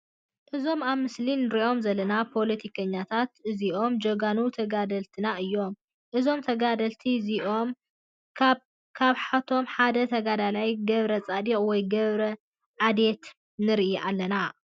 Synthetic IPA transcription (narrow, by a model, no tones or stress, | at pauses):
ʔɨzo̞maβmɨslinɨɾiʔo̞mzɐlːɐnapʰo̞lɐt̪ʰikʰɐɲːat̪ʰat̪ʔɨziʔo̞md͡ʒɐɡanut̪ʰɐɡad̪ɐlt̪ʰɨnaʔɨjːo̞m | ʔɨzo̞mt̪ʰɐɡad̪ɐlt̪ʰiziʔo̞m | kʰaβħat̪ʰo̞mħad̪ɐt̪ʰɐɡad̪alajɡɐβɾɐt͡sʼad̪ikʼwɔjɡɐβɾɐ | ʕad̪e̞t̪ | nɨɾʔiʔalːɐna